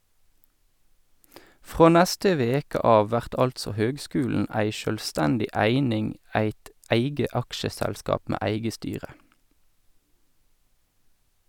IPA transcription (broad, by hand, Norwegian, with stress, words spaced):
ˈfʁoː ˈnɛstə ˈʋeːkə ˈɑːʋ ˈʋæʁt ˈɑltsɔ ˈhøːɡˌskʉːln̩ ˈæɪ ʃœlˈstɛndɪ ˈæɪnɪŋ ˈæɪt ˈæɪɡə ˈɑkʃəˌsɛlskɑːp ˈmeː ˈæɪɡə ˈstyːʁə